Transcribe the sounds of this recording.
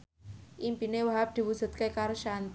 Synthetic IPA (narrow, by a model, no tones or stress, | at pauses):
ʔimpinewaɦap̚d̪̥i̤wu̥z̥ṳt̪̚kekaɾʃant̪